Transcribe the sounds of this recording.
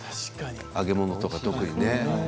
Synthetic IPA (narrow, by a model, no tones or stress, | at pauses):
aɡe̞mo̞no̞t̪o̞kat̪o̞kɯ̟ɲ̟ine̞